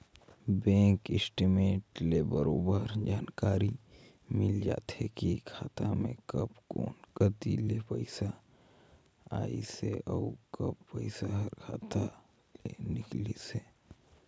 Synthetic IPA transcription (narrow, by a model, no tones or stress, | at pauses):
bɛ̃ːŋkɪsʈimeːʈleːbəɾoːbəɾd͡ʒaːnkaːɾi | mɪld͡ʒa̰ːt̪hekikʰaːt̪amḛ̃kəbkoːnkət̪ilepəɪsa | a̰ːiseɔːkəbpəɪsaɦəɾkʰaːt̪a | lenɪklise